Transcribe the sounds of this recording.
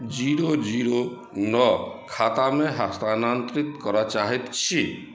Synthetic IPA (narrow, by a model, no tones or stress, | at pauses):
d͡ʒiɾod͡ʒiɾo | nɔkʰat̪ameɦast̪anant̪ɾit̪kɔɾat͡ʃaɦit̪t͡ʃʰi